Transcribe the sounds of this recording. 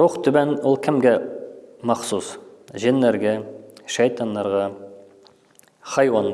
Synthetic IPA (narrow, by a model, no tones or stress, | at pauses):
ɾuqt̪ʰʏbænwolˠkʲʰɪmɡʲe | mɑχsusʒenːeɾɡʲeʃejt̪ʰɑnːɑɾʁɑ | χɑjwɑn